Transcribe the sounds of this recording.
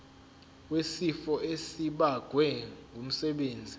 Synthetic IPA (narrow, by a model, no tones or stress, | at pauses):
wesifɔesiɓaɡ̥ʱwɛŋɡʱum̩sɛɓeːnd͡zʱi